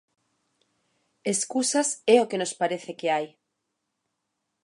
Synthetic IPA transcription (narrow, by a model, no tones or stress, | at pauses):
eskusasɛokenospaɾeθekeaj